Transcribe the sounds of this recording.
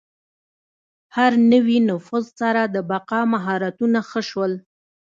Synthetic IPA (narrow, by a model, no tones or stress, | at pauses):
haɾnəwinʊfuzsaɾad̪əbaqɑmaɦɑɾat̪unaxəʃwəl